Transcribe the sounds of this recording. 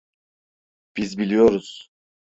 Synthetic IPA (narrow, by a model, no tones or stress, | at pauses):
b̥izbilʲijo̞ɾuz̥